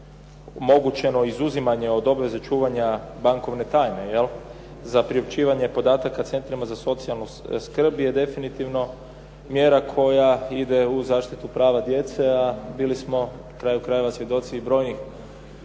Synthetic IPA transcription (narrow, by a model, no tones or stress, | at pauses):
omo̞ɡut͡ɕe̞no̞izuzimaɲe̞o̞d̪o̞bʋe̞zet͡ʃuːʋaɲabaŋko̞ʋne̞t̪aːjne̞jel | zapɾiop̚t͡ʃiːʋaɲe̞po̞d̪aːt̪akat̪se̞nt̪ɾimazaso̞t̪sialˠnuskr̩bje̞d̪e̞finit̪iʋno̞ | mjeːɾakʰo̞jaid̪e̞uzaːʃt̪it̪upɾaːʋad̪je̞t̪se̞abiːlismo̞ | kɾaːjukɾaje̞ʋasʋje̞d̪o̞t̪siːbɾo̞ːjnix